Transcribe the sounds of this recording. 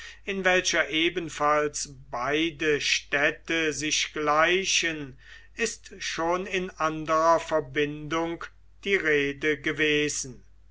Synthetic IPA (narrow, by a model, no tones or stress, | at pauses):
ɪnvɛlʃɐʔeːbənfalsbaɪdəʃtɛtəzɪʃɡ̥laɪʃən | ɪstʃoːnɪnʔandəʁɐfɛɐbɪndʊŋk | d̥iːʁeːdəɡəveːzn̩